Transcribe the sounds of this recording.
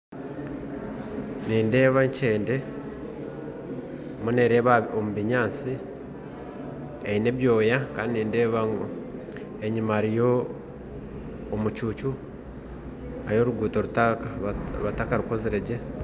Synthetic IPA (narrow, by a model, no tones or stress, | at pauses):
niːnde̞ːβaɲt͡ʃe̞ːnde̞ | muneɾeːβaomuβiɲaːnsi | eineβjoːjakaːndiniːnde̞ːβaŋɡ | eɲimaɾijo | mut͡ʃuːt͡ʃu | a̰jo̞ɾuɡuːtoɾutakaβatakaɾuko̞zeɾeɟe